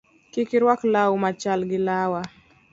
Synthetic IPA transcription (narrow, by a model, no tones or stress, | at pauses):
kikiɾwaklaumat͡ʃalɡilawa